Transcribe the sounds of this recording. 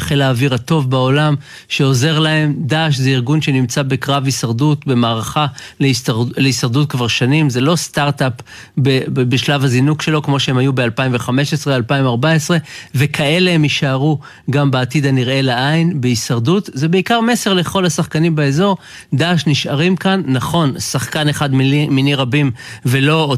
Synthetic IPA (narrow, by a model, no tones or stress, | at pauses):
χelaːviʁato̞vbao̞lam | ʃe̞o̞ze̞ʁlae̞md̪aːʃzeiʁɡunʃe̞nimt͡sabekʁavisaʁdutbe̞maːʁaχaleleisaʁd̪ut̚kvaʁʃanimze̞lo̞st̪aʁt̪ap | bebeʃlavazinukʃe̞lo̞kmo̞ʃehemajubealpaimveχame̞ʃesʁealpaimaʁbaesʁe̞vekʰae̞leemiʃaʁu | ɡambeːtid̪aniʁe̞laʔainbeisaʁdutzebeikaʁme̞se̞ʁle̞χo̞lasaχkanimbeezo̞ʁ | d̪aːʃniʃʔaʁimkanːaχo̞nsaχkane̞χadmminiʁabimve̞lo̞